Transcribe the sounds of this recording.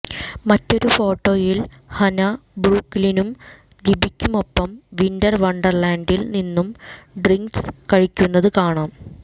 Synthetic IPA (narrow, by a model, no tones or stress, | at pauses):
mɐtːo̞ɾufo̞ːʈːo̞ːjil | hɐnɐbɾuːkːlinum | libʱikʲːumo̞pːɐmʋindɐrʋɐɳɖɐrlaːɳɖilninːumɖriŋkskɐɻikʲːunːɐðɨkaːɳaːm